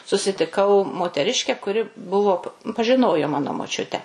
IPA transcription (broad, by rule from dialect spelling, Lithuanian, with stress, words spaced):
sʊsʲɪtʲɪˈkɐʊ moːtʲɛˈrʲɪʃʲkʲɛ kʊˈrʲɪ ˈbʊʋoː pɐʒʲɪˈnoːjoː ˈmɑːnoː moːˈt͡ʃʲʊtʲæː